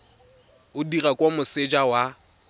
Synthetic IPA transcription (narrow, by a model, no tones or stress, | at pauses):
ʊdirakʼwomʊsɪd͡ʒawa